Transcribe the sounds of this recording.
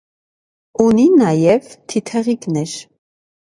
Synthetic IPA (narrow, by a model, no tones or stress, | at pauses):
uninajɛvt̪ʰit̪ʰɛʁiɡnɛʃ